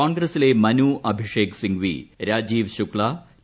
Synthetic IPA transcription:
oːnɡɾɐsile̞mɐnuːʔɐbʱiʂeːksiŋɡʋḭɾaːd͡ʑiːʋɕukɭaː

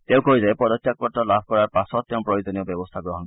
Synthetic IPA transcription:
t̪ew̃kʰoizaepɔd̪ɔt͡ʃːʃak̚ɔɾʈɔlabʱkɔɾaɾpasɔt̪̚t̪ew̃pɾɔjod͡ʒɔniobebɔst̪ʰaɡɾɔɦɔn

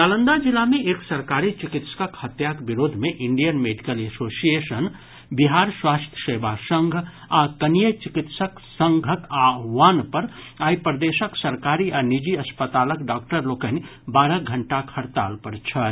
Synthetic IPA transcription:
nalənd̪ad͡ʒilːameʔeksəɾkaɾit͡ʃikit̪sə̥kəkhət̪jakbiɾoːd̪ʱmeʔiɳɖijənmeɖikəlesosijesən | biɦaɾswast̪ʰjə̥sebasəŋɡʱ | akənijət͡ʃikit̪səksəŋɡʱək̪aʋanpəɾ | aipɾəd̪esəksəɾkaɾianid͡ʒiəspət̪aləkɖakʈəɾlokənibaːɾəɡʱəɳʈakʰəɾt̪a̰lpəɾt͡ʃʰə

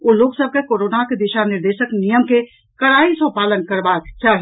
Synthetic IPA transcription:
oːloːksəb̚ʱkekoːɾoːnaked̪ɪʃanɪɾd̪eːʃəknijəmke | kɐɽaːisõːpaːlənkɐɾbaːt̪t͡ʃaɦ

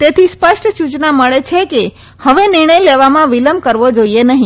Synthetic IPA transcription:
t̪et̪ʰispəʃʈʰəsut͡ʃnaməɭet͡ʃʰeke | həʋenɪɾɳ̃əjleʋamãʋiləm̚kəɾʋod͡ʒoienəɦĩ

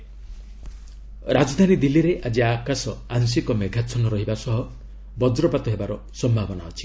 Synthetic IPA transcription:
ɾad͡ʒɔd̪ʱanid̪iliɾeʔad͡ʒiakasɔaŋsikɔmeɡʱat͡ʃʰɔnɔɾɔɦibasɔɦɔ | bɔd͡ʒɾɔpat̪ɔɦebaɾɔ | sɔmbʱabɔnaɔt͡ʃʰi̥

